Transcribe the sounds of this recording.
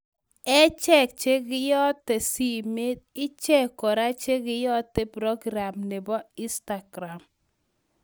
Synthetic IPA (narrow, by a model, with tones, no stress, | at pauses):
ɛ˦t͡ʃɛ˦k̚t͡ʃe˦ɡɪ˦jɔ˦tːɛ˨si˦me˦d̚ɪ˦t͡ʃɛ˦kɔ˨ɾa˦t͡ʃe˦ɡɪ˦jɔ˦tɛ˦pɾɔ˦ɡɾa˨mnɪ˨bɔ˦ɪ˦sta˨ɡ̥ɾa˨m